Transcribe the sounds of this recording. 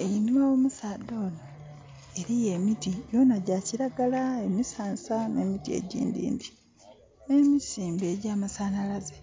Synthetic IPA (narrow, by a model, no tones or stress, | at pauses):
ejimoomusaːd̪o̞ːno | e̞ɾije̞mitiɟo̞ːnaɟaciɾaɡalae̞misaːnsane̞ːmitie̞̰ɟḭːndḭːndi | neːmisiːmbe̞ɟaːmasaːnalaze